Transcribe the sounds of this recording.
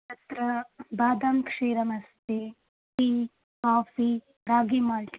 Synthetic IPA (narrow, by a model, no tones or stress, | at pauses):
t̪ɐt̪ɾɐbaːd̪ɐmkʂeːɾɐmɐst̪i | ti | kaːfi | ɾaːɡimaːlt